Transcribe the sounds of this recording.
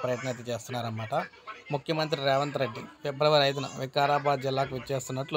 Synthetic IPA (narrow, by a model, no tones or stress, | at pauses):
pɾɐjɐʈɐnɐt̪ːit͡ʃe̞ːst̪unːaːɾɐnmaːʈɐ | mukʰjɐmɐnt̪̬ɾiɾɛːʋɐnt̪ɾeɖːipɛbɾɐʋɐɾɐjt̪̬ɐnɐ̰ʋikːaːɾaːbaːd̪d͡ʒilːaːkuʋieːst̪unːɐʈlu